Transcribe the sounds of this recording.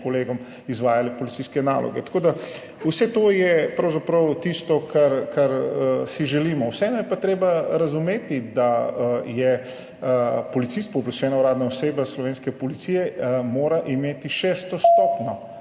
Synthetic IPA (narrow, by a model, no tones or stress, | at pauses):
kɔleːɡɔm | izʋaːjalipɔlit̪siskɛna̰ːlʔɔ̰ɡɛ̰t̪ḁkoːd̪a | usɛt̪oːjɛpɾɐwzapɾɐwt̪ist̪ɔkaɾkaɾəsiʒɛliːmɔwsɛɛnɔjɛpat̪ɾeːbaɾɐzumeːt̪id̪ajɛ | pɔlit̪sist̪̚pɔbplaʃɛːnauɾaːd̪naɔseːbaslɔʋeːnskɛpɔlit̪sijɛmoːɾaʔimeːt̪iʃɛːst̪ɔst̪ɔpnɔ